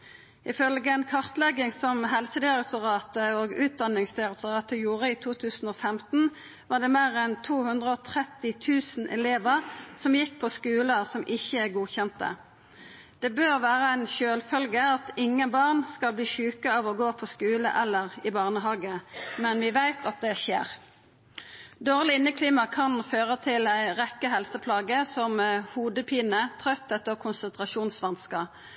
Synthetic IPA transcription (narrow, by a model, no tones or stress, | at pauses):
ʔɪfœlɡəɛnkʰɑʁt̪lɛɡɪŋsɔmɦɛlsəd̪ɪʁɑk̚t̪ʰʊʁɑːt̪əoːɡʉːt̪̚d̪ɑnːɪŋsd̪ɪʁɑk̚t̪ʊʁɑːt̪əjuːʁəiːt̪ʰuːt̪ʰʉːsn̩oːfɛmt̪n̩ | ʋɑːʁd̪ɛmeːʁɛnt̪ʰuːhʉnd̪ʁəɔːt̪ʰʁɛt̪ːɪt̪ʰʉːsn̩ʔɛ̰leːʋəʁsɔmjɪk̚ːpʰɔskʉːləsɔmʔɪçːəæɡuːçɛnt̪ə̰ | d̪̥ɛbøːʁʋæːʁəæɪnçøːlfœlɡəɑt̪ɪŋːəbɑːʁnskɑlbliːʃʉːkəɑʋɔɡoːpʰɔskʉːlə̰ʔɛlːəʁɪbɑːʁnəɦɑːɡəmɛnʋɪʋæɪt̪ʰɑt̪̚d̪ɛçḛːʁ | d̪oːʁlɪɪnːəkʰliːmɑkʰɑnføːʁət̪ʰɪlæɪʁɛkːəɦɛlsəpʰlɑːɡəsɔmhuːd̪əpʰiːnət̪ʰʁœt̪ʰːɛt̪ːəʁkʰʊnsənt̪ʁɑʃuːnsʋɑnskə